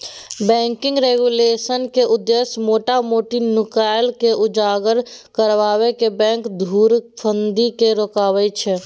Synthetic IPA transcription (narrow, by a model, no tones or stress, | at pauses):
bɛ̃ːŋkɪ̃ŋɡɾeɡuleːsənkeʔʊd̪ːesmoːʈamoːʈinʊkaɪlkeʔʊd͡ʒaːɡəɾkəɾʋaːwekebɛ̃ːŋkd̪ʱuːɾpʰənd̪ikeɾoːkaːwɛt͡ʃʰɛ